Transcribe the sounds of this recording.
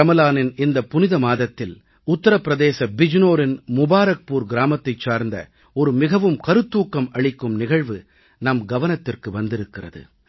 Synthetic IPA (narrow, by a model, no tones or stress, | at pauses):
ɐmɐlaːnɪnɪnd̪ɐpːʊnɪðɐmaːðɐt̪ːɪl | ʊt̪ːɐɾɐpːɪɾɐðeːsɐbɪd͡ʒnoːɾɪnmʊbaːɾɐk̚puːɾɡɪɾaːmɐt̪ːɐɪt͡ʃːaːɾnd̪ɐ̰ | ɔɾɯmɪɣɐʋɯmkɐɾɯt̪ːuːkːɐmɐɭɪkːɯmnɪɣɐɻʋɯ | nɐmɡɐʋɐnɐt̪ːɪrkɯʋɐnd̪ɪɾɯkːɪrɐ̰ðɯ̰